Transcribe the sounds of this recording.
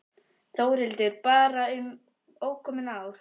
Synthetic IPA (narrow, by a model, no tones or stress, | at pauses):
θoːwɾɪlt̪ɪɾpaːɾaʏm | oːwkʰɔmɪnaːwɾ̥